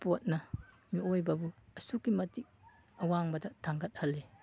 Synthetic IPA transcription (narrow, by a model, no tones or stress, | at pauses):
pot̚nɐ | miojbɐbuɐsukːimɐtik̚ | ɐwaŋbɐdɐtʰaŋɡɐt̚hɐlːe